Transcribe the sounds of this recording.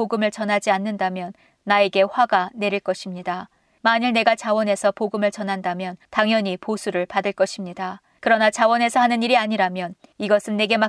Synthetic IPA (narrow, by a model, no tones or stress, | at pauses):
oɡɯmɯɭt͡ɕʌnɦad͡ʑianːɯndamjʌnː | ae̞ɡe̞ɸwaɡane̞ɾiɭk͈ʌɕʰimɲida | maɲiɭne̞ɡat͡ɕawʌne̞sʰʌpoɡɯmɯɭt͡ɕʌnɦandamjʌntaŋjʌɲiposʰuɾɯɭpadɯɭk͈ʌɕʰimɲida | kɯɾʌnat͡ɕawʌne̞sʰʌɦanɯniɾiaɲiɾamjʌniɡʌsʰɯnːe̞ɡe̞ma